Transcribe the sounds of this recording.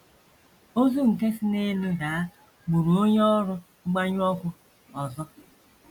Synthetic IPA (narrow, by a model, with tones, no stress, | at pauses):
o˦zu˦ŋ̩˨ke˦si˦ne˦lu˦ɡa˨˦ | ɡ͡bu˨ɾu˨o˦ɲɔ˦ɾʊ˦ | ɡ͡ba˦ɲ˦ɔ˦kʷʊ˦ | ɔ˨zɔ˦